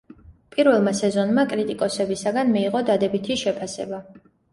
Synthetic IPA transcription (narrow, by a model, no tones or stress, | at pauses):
pʼiɾvɛlˠmasɛzɔnmakʼɾit̪ʼikʼɔsɛbisaɡanmiːʁɔd̪ad̪ɛbit̪ʰiʃɛpʰasɛ̰ba